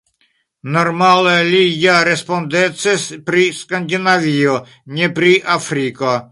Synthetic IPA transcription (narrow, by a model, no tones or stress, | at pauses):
noɾmalelijaɾespond̪et͡sespɾiskand̪inavio | ɲepɾiʔafɾiko